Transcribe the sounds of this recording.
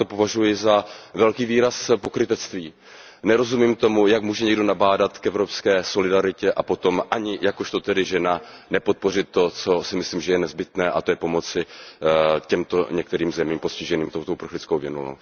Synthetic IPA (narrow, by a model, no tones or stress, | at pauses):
opo̞vaʒujɪzavɛlkiːviːɾaspo̞kɾɪt̪ɛt͡st̪viː | nɛɾo̞zumiːmt̪o̞mujakmuːʒɛɲɛɡdo̞nabaːdat̪kɛvɾo̞pskɛːso̞lɪdaɾɪcɛʔapo̞t̪o̞mʔaɲɪjakoʃt̪o̞t̪ɛdɪʒɛnanɛpo̞t̪̚po̞rɪt̪t̪ːo̞t͡so̞sɪmɪsliːmʒɛjɛnɛzbɪt̪nɛːʔat̪o̞jɛpo̞mo̞t͡sɪ | cɛmt̪o̞ɲɛk̚t̪ɛɾiːmzɛmiːmpo̞scɪʒɛniːmt̪owt̪oʔupɾr̩xlɪt͡skowvjɛnuno̰w